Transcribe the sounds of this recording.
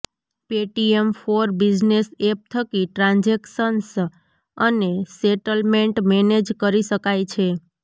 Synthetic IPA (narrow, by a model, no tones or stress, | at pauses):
peʈiemfʰoɾbid͡ʒnesep̚t̪ʰəkiʈɾãnd͡ʒekʃəns | əneseʈəlmeɳʈmɛned͡ʒkəɾiʃəkajt͡ʃʰe